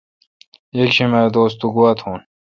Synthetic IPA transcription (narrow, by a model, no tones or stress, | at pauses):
jekɕimaɾd̪oːst̪uɡuwɐt̪ʰhũːn